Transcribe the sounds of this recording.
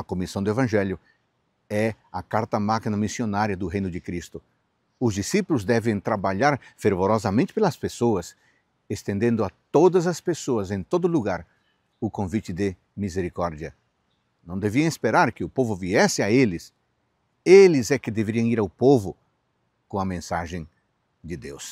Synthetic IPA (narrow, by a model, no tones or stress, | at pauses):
ɐkomisɐ̃w̃d̪ʊevɐ̃ʒɛljʊ | ɛ | ɐkaɾt̪ɐmakinɐmisionaɾjɐd̪ʊɦẽjnʊd̪ɪkɾist̪ʊ | ʊzd̪isipulʊzd̪ɛvẽŋ̃t̪ɾabaʎaɾfeɾvoɾɔzɐmẽnt̪ɪ̥pelɐspesoɐs | est̪ẽnd̪ẽnd̪ʊat̪od̪ɐzɐspesoɐzẽnt̪od̪ʊluɡaɾ | ʊkõvit͡ʃ̪ɪd̪ɪ | mizeɾikɔɾd̪jɐ | nɐ̃w̃d̪eviɐ̃wespeɾaɾkɪʊpovʊviɛsɪaelɪs | elɪzɛkɪd̪eveɾiɐ̃ŋ̃iɾawpovʊ | kõɐmẽnsaʒẽŋ | d̪ɪd̪ḛws